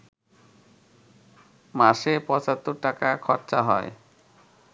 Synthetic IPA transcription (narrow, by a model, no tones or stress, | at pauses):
maʃepɔt͡ɕat̪ːoɾʈakakʰɔɾt͡ɕaɦɔe